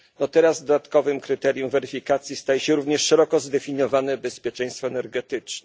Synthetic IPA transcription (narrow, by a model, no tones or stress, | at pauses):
nɔt̪ɛɾazd̪ɔd̪at̪kɔvɘmkɾɘt̪ɛɾjumvɛɾɘfʲikat̪sʲjist̪ajɛɕɛɾuvɲɛʂʂɛɾɔkɔzd̪ɛfʲiɲjɔvanɛbɛspʲjɛt͡ʂɛj̃st̪fɔɛnɛɾɡɛt̪ɘt͡ʂnɛ